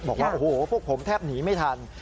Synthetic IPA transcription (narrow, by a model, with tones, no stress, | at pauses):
bɔː˨˩k̚waː˥˩ʔoː˨˩hoː˨˩˦pʰu˥˩ək̚pʰo˩˦mt̪ʰɛː˥˩p̚niː˩˦ma˥˩jt̪ʰa˧n